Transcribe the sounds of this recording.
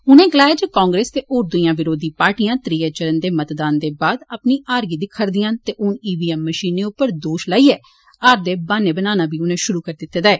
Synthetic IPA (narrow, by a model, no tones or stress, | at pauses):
ʊnẽːɡəlaːed͡ʒekãːŋɡɾeːst̪eːʔoːɾd̪ʊijãːʋɪɾoːd̪iːpaːɾʈijãːt̪ɾiːeːt͡ʃəɾənd̪eːmət̪d̪aːnd̪eːbaːd̪aːpniːʔaːɾɡiːd̪ɪkʰːəɾd̪ɪjãːt̪eːʔʊniːʋiːɛːmːəʃiːneːʊpːəɾd̪oːʃlaːiːɛː | aːɾd̪eːbaːneːbənaːnaːbiːʊnẽːʃʊɾuːkəɾd̪ɪt̪ːeːd̪aɛː